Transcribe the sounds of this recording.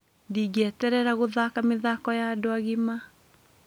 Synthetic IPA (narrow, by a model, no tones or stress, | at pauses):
ndiɡɛtɛɾɛɾaɣoðakameðakɔjadoaɣema